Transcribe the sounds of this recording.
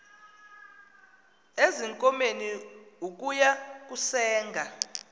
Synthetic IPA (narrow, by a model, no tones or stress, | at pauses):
eziŋkʼɔmeniuk̬ʼujak̬ʼusɛːŋɡʱa